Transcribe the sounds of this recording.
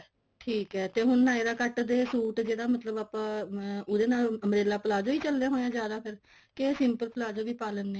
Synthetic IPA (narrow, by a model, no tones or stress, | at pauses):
ʈʰiːkɦɛːt̪eːɦʊnːãːeːɾaːkəʈd̪eːsuːʈd͡ʒeːɽaːmət̪ləbaːpãːʊd̪eːnaːləmɾeːlaːpəlaːd͡ʒoːiːt͡ʃəlːjãːɦoːjãːd͡ʒjaːd̪aːpʰɪɾ | kesɪmpəlpəlaːd͡ʒoːʋiːpaːlənːeː